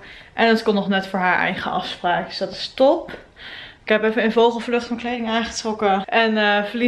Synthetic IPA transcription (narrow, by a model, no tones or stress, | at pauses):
ʔɛnətkɔnːɔχnɛtfʊːɹɦaːɹʔɛ̰jχəʔɑ̰fspraːk̚dsd̥ɑtɪ̥stɔp | ɪkɦɛpɛfənənvowχəlˠvlɵχtfɑnklejdɪŋaːŋχətrɔkəʔɛnəvəli